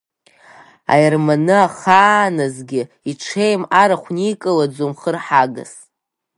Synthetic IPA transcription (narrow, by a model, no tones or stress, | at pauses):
a̰jɪrmanɨaχaːnɨzɡʲɪ | iʈ͡ʂʰejmaɾaχʷnikʼɨlad͡zumχərħaɡa̰s